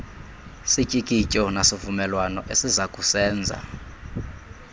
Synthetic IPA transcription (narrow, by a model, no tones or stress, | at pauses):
sicʼikʼicʼɔnasivumɛlwanɔʔesizakʼusɛːnd͡zʱa̰